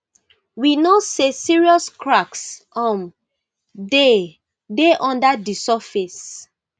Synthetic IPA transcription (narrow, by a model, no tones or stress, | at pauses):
winosesiɹiɔskɹaks | ɔ̃m | de | deʔɔ̃ndadisɔfis